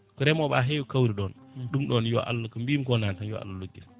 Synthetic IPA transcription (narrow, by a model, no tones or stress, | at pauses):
kɔɾɛmɔɓaɦejɔkawɾiɗɔnɗumɗɔnjɔ̰ʔa̰lːakambiːmkɔnantanjɔ̰a̰lːaloɡːi